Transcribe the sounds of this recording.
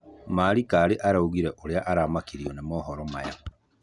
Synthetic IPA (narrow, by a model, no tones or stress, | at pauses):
maːɾikaːɾeʔaɾauɣiɾɛʔoɾeaʔaɾamakiɾiɔnemɔːɦɔɾɔmaja